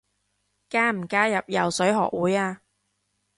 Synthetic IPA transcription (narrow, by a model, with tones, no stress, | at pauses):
kaː˥m̩˨˩kaː˥jɐ˨p̚jɐ̰˨wsɵ˨˥ɥɦɔ̰ː˨k̚wuː˨˥jaː˧